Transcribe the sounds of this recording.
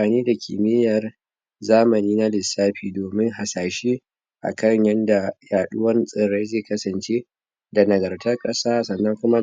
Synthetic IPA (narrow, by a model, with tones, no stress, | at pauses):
aː˨niː˦da˨kʲʰḭː˨mɪ˦jɐ˨r | zaː˦mɐ˨niː˦na˦lɪ˨sːaː˦ɸiː˨doː˨mɪ˦ŋɦa˨saː˨ʃi˦ | ʔa̰˨kɐ˦˨ŋjɐ˦nda˨jaː˨ɗʊ˦wɐ˦nsʼɪ˨ɽe˦jzeː˦˨kɐ˦sɐ˨nt͡ʃeː˦ | da˨nɐ˨ɡɐ˨rtɐ˦kʼɐ˦saː˦sɐ˨nːɐ˦ŋkʷʊ˦ma˦